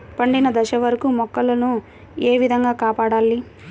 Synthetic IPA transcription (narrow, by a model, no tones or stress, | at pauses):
pɐɳɖinɐd̪ɐʃɐʋɐɾɐkumɔkːɐlɐnu | eːʋid̪ʱɐŋɡaːkaːpaːɽaːli